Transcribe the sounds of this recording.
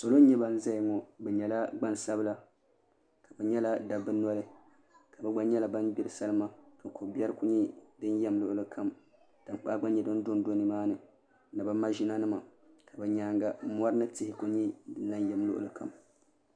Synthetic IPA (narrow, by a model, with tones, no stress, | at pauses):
so˨lo˦n̩˦ɲɛ˦ba˦n̩˦za˦˨ŋɔ˨bɛ˨ɲɛ˨la˦ɡ͡ba˦nsa˦bɨ˦la˨ | kʰa˨bɛ˨ɲɛ˦la˦da˨bɨ˦nɔ˦lɨ˦ | ka˨bɛ˦ɡ͡ba˦ɲɛ˦la˨ba˦nbi˦ɾɨ˨sa˦lɨ˦ma˦ka˨ko˨bi˦ɛ˦ɾɨ˦ku˦ɲi˦dɨ˦njɛ˦mlʊ˦ʔʊ˦lɨ˦kʰa˦m | d̥a˨m˨k͡pa˦ɡ͡ba˦nɲɛ˨dɨ˦n˦do˦n˦do˦nɨ˨maː˦nɨ˨˦ | nɨ˨ba˦ma˦ʒi˦na˦nɨ˦ma˨ | ka˨bɛ˨ɲaː˦ŋɡa˨˦m˦ɔ˦ɾɨ˦nɨ˦tɪ˦hɪ˦ku˦ɲi˦dɨ˨˦a˦njɛ˨mlʊ˦ʔʊ̰˨lɨ˨kʰa̰˨m